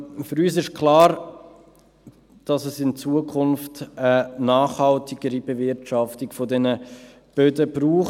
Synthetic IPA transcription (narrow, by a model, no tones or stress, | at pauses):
fʏɾyːsɪʃkʰlɑːɾ | d̥ɑsəsɪnt͡suəkʰʊnftənaːχhɑltɪɡ̥əɾibevɪɾtʃɑftikfodɛnə | b̥ødəb̥ɾuːχ